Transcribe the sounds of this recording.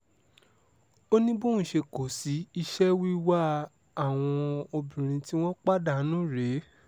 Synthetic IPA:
o˦nĩ˦bũ˦ũ˨ʃe˧ko˨si˨˦i˧ʃɛ˦wi˦wa˦ | a˨w̃ɔ̃˧o˧bĩ˨ɾ̃ĩ˧ti˦w̃ɔ̃˦k͡pa˦da˦˨˦nũ˦ɾe˨˦

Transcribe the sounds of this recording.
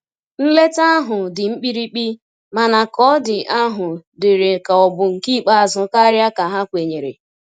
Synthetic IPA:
n̩˦le˦ta˦ɦʊ˨dɪ˨ŋ͡m̩˦k͡pi˦ɾi˦k͡pi˦ | ma˨na˨kɔ˦dɪ˨ʔa˦ɦʊ˨dɪ˨ɾe˨ka˨ɔ˨bʊ˨ŋ̩˨ki˦˨k͡pa˦˨zʊ˨ka˦ɾja˦ka˨ɦa˦kʷe˨ɲe˨ɾḛ˨

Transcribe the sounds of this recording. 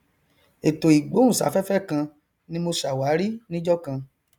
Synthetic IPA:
e˨to˨i˨ɡ͡bo˨˦ũ˦˨sa̰˨˦fɛ˦fɛ˦˨kã˧ | nĩ˧˦mo˧ʃa˨wa˨˦ɾi˦nĩ˦d͡ʒɔ˦kã˧

